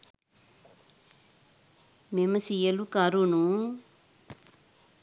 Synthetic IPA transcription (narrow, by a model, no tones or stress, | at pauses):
memɐsijɐlukaɾunu